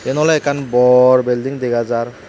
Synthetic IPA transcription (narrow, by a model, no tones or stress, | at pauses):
ɛnɔlaɛkʰanbɔɹbɛldiŋdeɡazaɹ